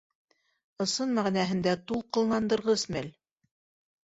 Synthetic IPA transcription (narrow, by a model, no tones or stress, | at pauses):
ɤ̆sɤnmæʁnæɦɘ̆nd̪æt̪ulˠqɤ̆lˠnɑnd̪ɤ̆ɾʁɤsmæl